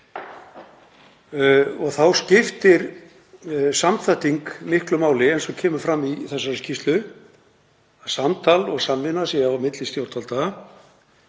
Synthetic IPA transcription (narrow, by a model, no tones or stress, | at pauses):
ɔɣθawscɪft̪ɪɾ | samθaht̪iŋkmɪhklʏmaːwlɪɛjnsɔcʰɛːmʏɾfɾamːiθɛsːaɾscist̪lʏ | aðsamt̪ʰaːlɔɣsamːɪnasjɛawmɪt̪lɪst̪jowɾt̪ʰalt̪a